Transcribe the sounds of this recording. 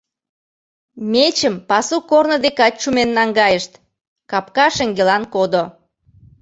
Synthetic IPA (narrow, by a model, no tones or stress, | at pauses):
met͡ɕəmpɑsukornə̆d̪ekɑt̚t͡ɕumenːɑŋɡɑjəʃt̪ | kɑpkɑʃeŋɡelɑnkod̪o